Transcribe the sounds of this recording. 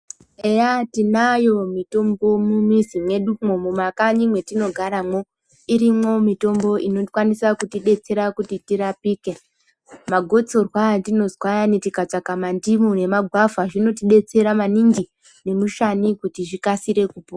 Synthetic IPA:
ejatinajo̞mito̞mbo̞mumizimwe̞ɗumomumakaɲimwe̞tino̞ɡʱaɾamo̞ | iɾimwo̞mito̞mbo̞ʔinokwanisakutiɗe̞t͡se̞ɾakutitiɾapiːke | maɡʱo̞t͡so̞rwatino̞zwajanetikat͡sakamandimune̞maɡʱwavaʐino̞tiɗe̞t͡se̞ɾamaninɡi | ne̞muʃanikutiʐikasiɾe̞kupoa

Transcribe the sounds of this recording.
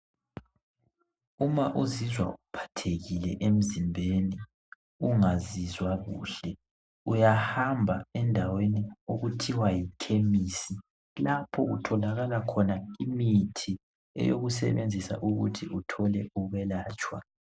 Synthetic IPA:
umaʔuzizwa̰ʔupʰḁtʰeɣilɛʔem̩zimbʱeni | uŋazizwaɣṵːɬɛ | ujahambʱaɛndʱawenioɣutʰiwajikʰemisi | lapʰɔɣṵtʰɔlaɣalakʰɔnaimitʰi | ɛ̰jo̰ɣusɛ̰βend͡zʱisa̰ʔuɣutʰiutʰɔlɛuɣɛlaːt͡ʃʼwa̰

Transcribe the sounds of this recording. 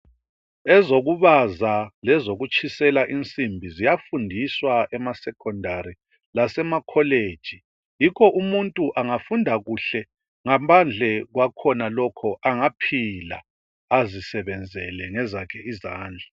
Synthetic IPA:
ɛzoɣuβazalɛzoɣut͡ʃʰʼisɛlaʔint͡sʼimbʱizijafundʱiswaɛmasɛkʰɔndʱaɾi | lasɛmakʰɔleːd̥ʒ̥ʱi | jikʰɔʔumuntʼuʔaŋafundʱaɣuɬɛ | ŋampʰand͡ɮʱɛɣwakʰɔnalɔkʰɔʔaŋapʰila̰ | azisɛβɛnd͡zʱɛlɛŋɛzakʰɛizaːnd͡ɮʱḁ

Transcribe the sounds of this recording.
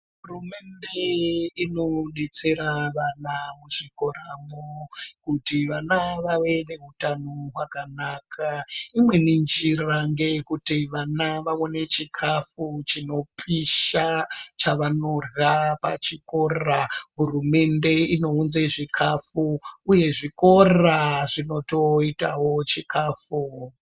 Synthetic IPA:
ɦɦurume̞nde̞ino̞ɗet͡se̞ɾaʋanamuʐikoramokutiʋanaʋaʋe̞ne̞ɦutanoɦwakanakʰaimwe̞nind͡ʒiraŋɡe̞kutiʋanaʋaone̞t͡ʃikʰafut͡ʃino̞pʰiʃat͡ʃaʋanorapa̰t͡ʃiko̞raɦurume̞nde̞ino̞unzeʐikʰafuuje̞ʐiko̞raʐino̞to̞itawo̞t͡ʃikʰaːfu

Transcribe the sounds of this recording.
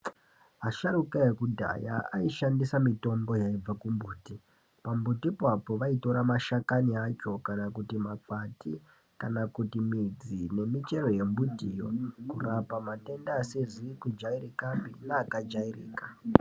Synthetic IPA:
ɦaʃarukajekudʱa̰ja̰a̰iʃandisamito̞mbo̞jaib͡vakumbuːti | pambutipapo̞ʋaito̞ɾamaʃakaniat͡ʃo̞kanakutimap͡fati | kanakutimid͡zine̞mit͡ʃe̞ro̞je̞mbutijo̞̰kurapamate̞ndaːsezikud͡ʒairikambinaːkad͡ʒairḭːka

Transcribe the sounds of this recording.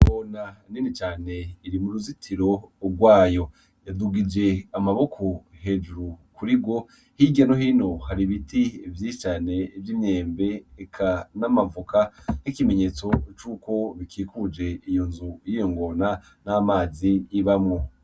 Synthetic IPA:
ŋɡonaninit͡ʃaːne̞iɾimuɾuzitʰiɾo̞ɡwaːjo̞ | jaduɡid͡ʒe̞amaβo̞kʰo̞he̞d͡ʒuɾukuɾibɡwo̞ | hiɡanoɦino̞haɾiβitivjit͡ʃane̞vjimɲe̞ːmbe̞ːkʰanamavukanikime̞ɲe̞ːt͡so̞t͡ʃuːko̞βikʰiːkud͡ʒe̞ijo̞nzujijo̞ŋɡo̞na | namaːziiβamŋo

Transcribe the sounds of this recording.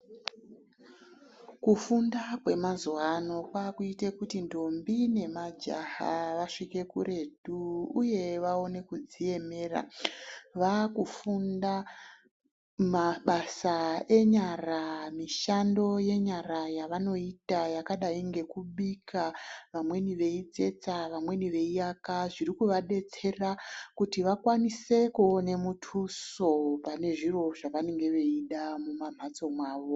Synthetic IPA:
kufundakwe̞mazuwano̞kwaːkuitekutindo̞mbine̞mad͡ʒa̰ha̰ʋaʂike̞kṵɾe̞dʱuuje̞ʋao̞ne̞kud͡zie̞me̞ːra̰ | ʋakufunda | maɓasae̞ɲaramiʃando̞je̞ɲarajaʋano̞itajakaɗaiŋɡe̞kuɓikʰaʋamwe̞niʋe̞id͡ze̞t͡saʋamwe̞niʋe̞ijakaʐirikuʋaɗe̞t͡se̞rakutiʋakwanise̞kuonemutʰuso̞pane̞ʐiro̞ʐaʋane̞ŋɡe̞ʋe̞iɗamumam̤ʱat͡so̞mwaːʋo̞

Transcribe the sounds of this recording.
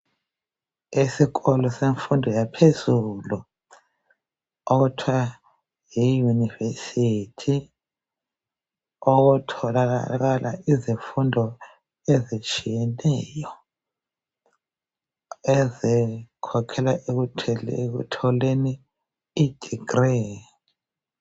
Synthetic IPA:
isikɔlɔseɱfundʱɔjapʰezulu | oɣutʰwa | jijunivesitʰi | oɣutʰɔlaa̰aɣalʔa̰iziɱfundʱɔ | ezit͡ʃʼijɛnɛjɔ | ɛzikʰɔkʰɛlaʔek̬utʰɛekṵtʰɔleniː | d̥ʱiɡ̥rɛ

